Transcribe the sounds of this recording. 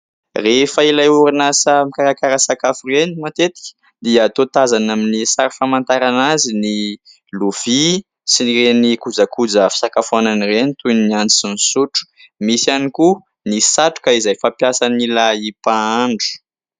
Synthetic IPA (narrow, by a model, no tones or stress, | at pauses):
refailajuɾinasəmikaɾakaɾəsakafurenimat̪et̪i̥kʲə̥ | d̪iəːt̪ot̪azanaminisaɾifamant̪aɾanazini | luv̥i | siniɾenikud͡zakud͡zəfi̥sakafananirenit̪unnianinisuʈ͡ʂu̥ | misaniku | nisaʈ͡ʂu̥kaizajfapjasanilaipaaɳɖ͡ʐu̥